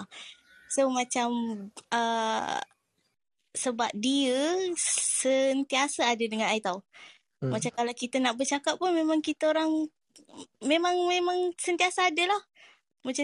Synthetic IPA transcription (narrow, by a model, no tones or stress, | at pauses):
somat͡ʃamə | səbap̚diə | sənt̪iasaːdədəŋãnait̪aw | mat͡ʃakalawkit̪ənaʔbərt͡ʃakap̚pːunmemãŋkit̪əoɾaŋ | memaŋmemãŋsənt̪iasaːdəlah | mat͡ʃa